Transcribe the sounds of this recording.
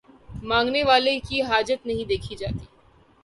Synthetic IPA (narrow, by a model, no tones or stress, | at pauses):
mãːŋɡneʋaːlekiɦaːd͡ʒət̪nɐɦĩd̪eːkʰid͡ʒa̰ːt̪iː